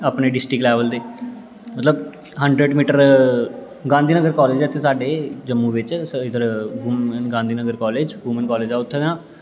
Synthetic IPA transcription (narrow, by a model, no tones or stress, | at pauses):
aːpneːɖɪsʈɾɪklɛːʋəld̪eː | mət̪ləb | ɦəɳɖɾeːɖmiːʈəɾ | ɡãːnd̪iːnəɡəɾkɔːleːd͡ʒɛt̪ʰːesaːɖeːd͡ʒəmːũːʋɪt͡ʃɪd̪əɾʋuːmənɡãːnd̪ʱiːnəɡəɾkɔːleːd͡ʒʋuːmənkɔːleːd͡ʒaːʊt̪ʰːeːnãː